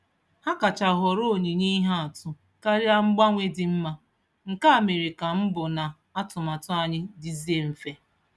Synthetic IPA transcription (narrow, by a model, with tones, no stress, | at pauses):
ha˦ka˨t͡ʃa˨ɦɔ˨ɾo˦˨ɲi˨ɲi˦i˦ɦa˦a˨tʊ˦ | ka˦ɾja˦ŋ͡m̩˦ɡ͡ba˦ŋʷe˦dɪ˨m̩˦ma˦ | ŋ̩˨ka˦˨me˨ɾe˨ka˨m̩˦bʊ˨na˨ | a˦tʊ˨ma˨tʊ˦a˨ɲɪ˦dɪ˨zi˦e˦m̩˨fe˦